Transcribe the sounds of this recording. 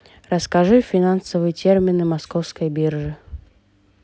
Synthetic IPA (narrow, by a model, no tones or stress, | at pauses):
rəskɐʐɨfʲɪnansəvɨjətʲermʲɪnɨmɐskofskəjbʲirʐɨ